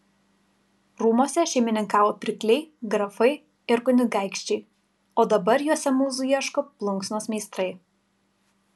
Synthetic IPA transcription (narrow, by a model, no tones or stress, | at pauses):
ɾuːmoːsʲɛʃʲɛɪmʲɪnʲɪŋkɑːʋoːpʲɾʲɪklʲɛɪɡɾɐfɐɪ | ɪɾɡʊnʲʊɡæˑɪkʃʲt͡ʃʲɛɪ | oːd̪ɐbɐɾjuɔsʲɛmuːzʊjiɛʃkoːplˠʊŋksʲnoːsmʲɛɪst̪ɾɐɪ